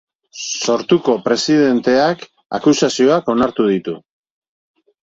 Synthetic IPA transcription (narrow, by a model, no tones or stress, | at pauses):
so̞ɾt̪uko̞pɾe̞sið̞e̞nt̪e̞ak | a̰kusasio̞ako̞naɾt̪uðit̪u